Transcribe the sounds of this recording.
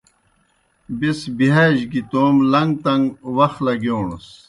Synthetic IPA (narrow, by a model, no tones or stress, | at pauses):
bisbiɦaːʑɡit̪oːmlɐŋɡt̪ɐŋɡwɐxlɐɡoːɳṵs